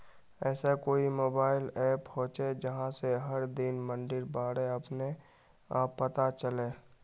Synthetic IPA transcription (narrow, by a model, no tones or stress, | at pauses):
ɛːsakoːimoːbaːɪlɛːphoːt͡ʃed͡ʒəɦãseɦəɾd̪ɪnmə̃ɳɖɪɾbaːɽeɐpne | aːpːət̪at͡ʃəleː